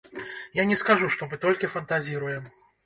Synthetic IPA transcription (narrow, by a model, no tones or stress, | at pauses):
janʲɛskaʐuʂt̪ɔmɨt̪ɔlʲkʲifɐnt̪azʲiɾujɛm